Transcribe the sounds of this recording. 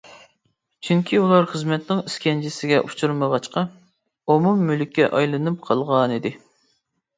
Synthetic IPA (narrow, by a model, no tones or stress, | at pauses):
t͡ʃʰyŋkʲʰiulˠɑɾχəzmɛt̪nɪŋiskʲʰɛnd͡ʒɪsɪɡʲɛʔut͡ʃʰuɾməʁɑʃt͡ʃqɑ | omumːylykʲːɛʔɑjlˠɨnɨp̚qʰɑlˠʁɑnid̪ɪ